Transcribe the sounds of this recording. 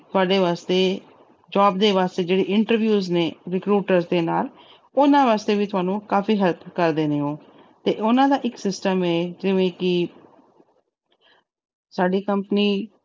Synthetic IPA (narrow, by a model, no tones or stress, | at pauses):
t̪ʊaːɖeːʋaːst̪eː | d͡ʒaːb̚d̪eːʋaːst̪eːd͡ʒeːɽeːʔɪɳʈəɾʋjuːzneːɾɪkɾuːʈəɾzd̪eːnaːl | ʊnãːʋaːst̪eːʋiːt̪ʊaːnũːkaːfiːɦət̪kəɾd̪eːneːɦõː | t̪eːʔʊnãːd̪aːʔɪksɪsʈəmɛːd͡ʒɪʋẽːkɪ | saːɖiːkəmpəniː